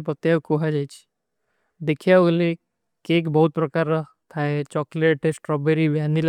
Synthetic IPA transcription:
pət̪jakoɦad͡ʒajt͡ʃʰi̥ | d̪ekʰjale | kekbəɦut̪̚pɾɐkaɾːa | t̪ʰaɦet͡ʃɔkleʈesʈɾɔbeɾiʋjanil

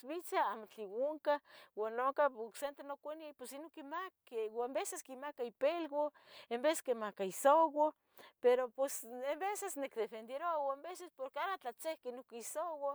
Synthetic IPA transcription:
bit͡saamot͡ɬiwuŋkawanːokaoksent̪enokʷanpwesinokimakewambeseskimakaipelɡo | embeseskemakaisowo | peɾopwesembesesnekd̪efend̪jeɾoawambesespoɾkeaɾat͡ɬat͡sehkenokisowa

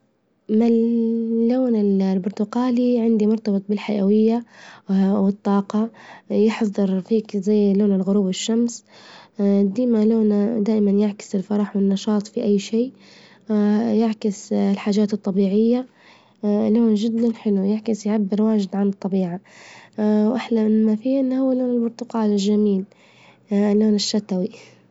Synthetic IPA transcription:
mɪː | oːnɪllbʊɾt̪ʊqaːliʕɪnd̪imʊɾt̪ɑbɨt̪ˤbɪlħajʔawɪjːa | wɪt̪ˤːɑːqɑjɪħðˤɨɾfiːkzajːloːnɪlɣʊɾuːbɪʃːams | d̪iːmaloːnd̪aːʔɪmanjɪʕkɪ̥sɪlfɑɾˤɑħwɪnːɑʃɑːt̪ˤfiʔajːʃiː | jɪʕkɪsɪlħaːd͡ʒaːt̪ɨt̪ˤːɑbiːʕɪjːa | loːnd͡ʒɪd̪ːanħɪlujɪʕkɪsjʕabːɪɾwaːʒɪd̪ʕanɨt̪ˤːɑbiːʕa | wʔɪħlamɪnmafiːʔɪnːhʊwːalːoːnɪlmʊɾt̪ˤʊqɑːlɪlʒamiːl | lːoːnɪʃːat̪awi

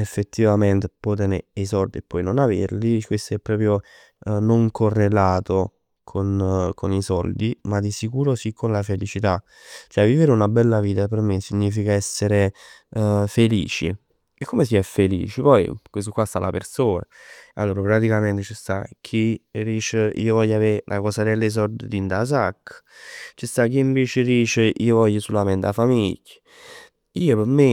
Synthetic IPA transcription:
efːet̪ːivament̪epɔt̪eneesɔld̪iepːɔjnonavḛrlikwest̪oɛpːɾɔːpɾjo | noŋkʰorːelaːt̪o | kʰonkonisɔld̪imad̪isikuːɾosikʰːonlafelit͡ʃit̪a | t͡ʃoɛvːiveɾeunabɛlːaviːt̪apermesiɲːiːfikaɛsːeɾe | felḭːt͡ʃḭ | ekːomes̬iɛfːelḭːt͡ʃipɔjkwest̪okwast̪a̰lapersoːna̰a̰lːoːɾapɾat̪ikament̪et͡ʃist̪ak̟ʰiriːt͡ʃeḭːovɔʎːaveɾelʔa̰kɔsad̪elːes̬ɔrd̪ed̪int̪azakː | t͡ʃist̪ak̟ːiːɱveːt͡ʃediːt͡ʃeʔḭːovɔʎːəsulament̪afamiʎːa | iːopeɾme

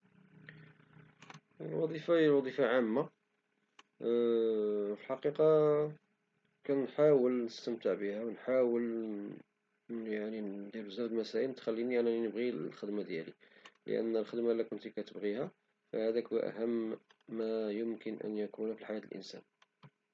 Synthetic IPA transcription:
əlwɑ̰d̪ˤifalwɑd̪ˤifaʕamːa | fəlħɑqiqɑ | kænħawəlnəst̪əmt̪əʕbəhæwənħawəl | jaʕnid̪æɾbəzɑɾd̪lmæsæʔənt̪xælːiniaʕniinəbɣilxəd̪mad̪jælḭlə̰ʔə̰nːəlxəd̪malːækʊnt̪ikæt̪əbɣihæ | fæ̰hæd̪ækwḭʔæ̰həmːæjəmkənʔə̰njækunfilħajæt̪əlʔə̰nsæ̰n

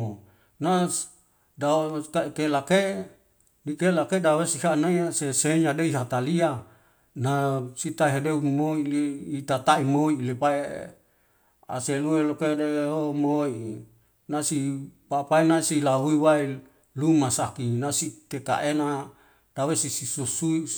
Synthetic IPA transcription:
na | dakakelake | nikelakedawesihanaiseseɲadeiɦat̪alia | nasit̪aɦedeumoilit̪at̪aimoilepaḛ | a̰seluelokedeɦomoi | nasipapaenasilaɦuiwai | lumasakinasit̪eka̰ʔena | d̥awesisisusui

